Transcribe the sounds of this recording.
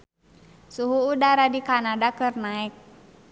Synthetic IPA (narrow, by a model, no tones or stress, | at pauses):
suɦuːdaɾadikanadakɨrnaɛk̚